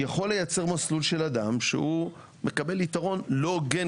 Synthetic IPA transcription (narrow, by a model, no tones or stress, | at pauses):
jaχo̞lːe̞jat͡se̞ʁmaslulʃe̞lad̪amʃḛhu | me̞kabe̞lit̪aʁo̞nlo̞ɡe